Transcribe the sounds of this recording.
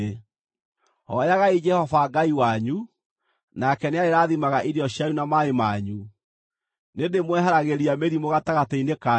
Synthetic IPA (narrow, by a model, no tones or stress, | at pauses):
hɔjaɣaid͡ʒɛhɔvaɡaiwaɲu | nakɛneaeɾaːðimaɣaʔiɾiɔɕjajunamaemaɲu | nendemwɛɦaɾaɣeɾiameɾimoɣataɣataineka